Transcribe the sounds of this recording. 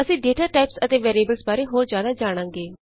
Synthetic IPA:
əsĩːɖeːʈaːʈaːɪpsət̪eːʋɛːɾieːbəlsbaːɾeːɦoːɾzjaːd̪aːd͡ʒaːɽ̃ãːŋɡeː

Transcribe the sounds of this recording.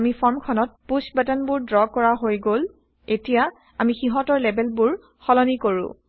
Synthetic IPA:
mifʰɔɹmkʰɔnɔt̚pusbɛtanbʊɹdɹɔkːɔɹaɦojɡol | etija | amixiɦɔtɔɹlɛbɛlbʊɹ | xɔlɔnikoɹʊ̰̃

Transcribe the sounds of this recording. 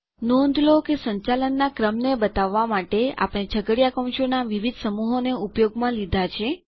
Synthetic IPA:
nõnd̪ʱlokesəɲt͡ʃalənːakɾəmnebət̪aʋːamaʈea̰pɽ̃ed͡ʒʰʱəɡəɽjakə̃w̃ʃonaʋiʋid̪ʱsəmuɦoneupjoɡmãlid̪ʱat͡ʃʰe

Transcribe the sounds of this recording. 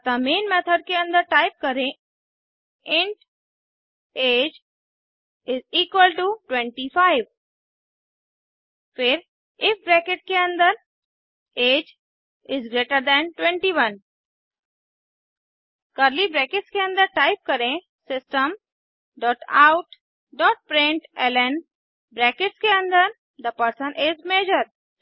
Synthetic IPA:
t̪əmẽːnmɛt̪ʰəɖ̚keə̃nd̪əɾʈaɪp̚kəɾẽ | ɪ̃ɳʈ | eːd͡ʒ | ɪziːkwəlʈuʈwɛ̃ɳʈifaɪʋ | fɪɾ | ɪfbɾɛkɪʈ̚keə̃nd̪əɾ | eːd͡ʒ | ɪzɡɾeːʈəɾd̪ɛ̃nʈwɛ̃ɳʈiʋɐ̃n | kəɾlibɾɛkɪʈskeə̃nd̪əɾʈaɪp̚kəɾẽ | sɪsʈəm | ɖɔːʈa̰ʊʈ | ɖɔːʈ̚pɾẽɳʈɛlɛ̃n | bɾɛːkɪʈskeə̃nd̪əɾ | d̪əpəɾsə̃nʔɪzmeːd͡ʒəɾ

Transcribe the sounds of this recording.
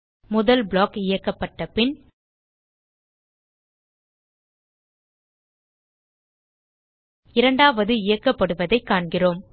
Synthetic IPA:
mʊðɐlbɭaːkɪjɐkːɐpːɐʈːɐpɪn | ɪɾɐɳɖaːʋɐðɯɪjɐkːɐpːɐɽɯʋɐðɐɪkːaːɳɡɪroːm

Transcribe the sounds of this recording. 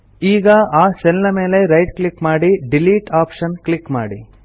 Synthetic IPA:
iːɡɐaːsɛlnɐme̞ːle̞ɾɐjʈ̚klikmaːɽiɖiliːʈaːpʂɐnklikma̰ːɽḭ

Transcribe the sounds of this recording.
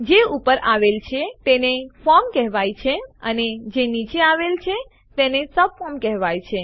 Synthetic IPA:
d͡ʒeupəɾaʋelt͡ʃʰet̪enefɔɾmkɛɦʋajt͡ʃʰeəned͡ʒenit͡ʃeaʋelt͡ʃʰe | t̪enesəb̚fɔmkɛɦʋajt͡ʃʰe

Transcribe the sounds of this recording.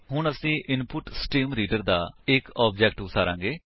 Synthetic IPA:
ɦʊɳəsĩːʔɪnpʊʈsʈiːmɾiːɖəɾd̪a̰ːɪkɔːb̚d͡ʒɛːk̚ʈʊsaːɾã̰ːŋɡeː

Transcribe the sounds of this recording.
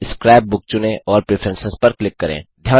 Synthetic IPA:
skɾaːɪb̚bʊk̚t͡ʃʊnẽʔɔːɾpɾeːpʰəɾə̃nsɪspɐɾklɪkːɐɾḛ̃ːd̪ʱjaː

